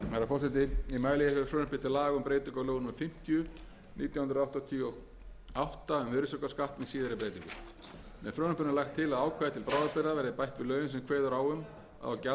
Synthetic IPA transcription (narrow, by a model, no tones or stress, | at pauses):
maɾafɔr̥sɛt̪̬ɪimaːjlijɪfɾfɾœːnʏpɪt̪ʰɪlaːɣʏmpɾeːjt̪ʏŋkɔloːɣnʏmʏfɪm̥t̪jʏ | nʔiːt̪jawhʏnɾawht̪ɔt̪ʰiɔɣ | awht̪aʏmvɪɾɪsœkaskaht̪nɪsiːðɪɾɪpɾeːjt̪ʏŋkʏ | mɛ̰fɾœːnʏ̥pʏnalaxt̪ʰːɪlaðaːwkʰvaðɪt̪ʰɪlpɾaːwðaspɛɾðavɛɾðɪpajht̪vɪlœːɥvʏns̬ɛmkʰveːðʏɾawʏm | a̰ðawca